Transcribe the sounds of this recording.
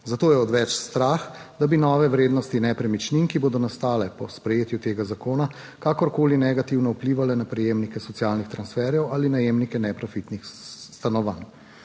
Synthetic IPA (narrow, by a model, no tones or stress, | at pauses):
zat̪oːjɛɔd̪ʋɛt͡ʃst̪ɾaxd̪abinɔːʋɛʋɾeːd̪nɔst̪inɛpɾɛmit͡ʃniŋkiboːd̪ɔnast̪aːlɛpɔspɾɛjeːt̪jut̪eːɡazakoːna | kaːkɔɾkoːlinɛɡat̪iwnɔupliːʋalɛnapɾɛjemnikɛsɔt̪sijaːlnixt̪ɾansfɛɾjɛwalinajeːmnikɛnɛpɾafit̪nixst̪anɔʋan